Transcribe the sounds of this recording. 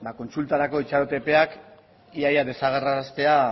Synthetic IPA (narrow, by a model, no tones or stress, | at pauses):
bako̞nsult̪aɾako̞it͡ʃaɾot̪e̞pe̞ak | iajaðe̞saɣ̞eraɾast̪e̞a